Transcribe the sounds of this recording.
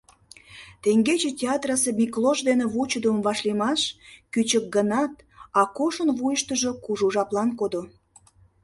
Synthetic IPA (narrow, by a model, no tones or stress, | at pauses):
t̪eŋɡet͡ɕetʲeɑt̪rɑsemʲikloʒd̪enĕβut͡ɕəd̪əmvɑʃlemɑʃkyt͡ɕək̚ɡənɑt̪̚ | ɑkoʃənβujəʃt̪əʒokuʒuʒɑplɑnkod̪o